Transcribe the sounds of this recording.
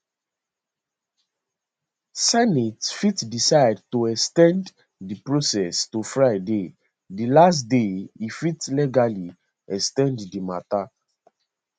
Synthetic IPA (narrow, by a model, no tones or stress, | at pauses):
sɛnitfitdisaɪd̚tuɛkstɛ̃nd | dipɹosɛstufɹaɪde | dilas̬tdeifitlɛɡali | ɛkstɛ̃nddima̰ta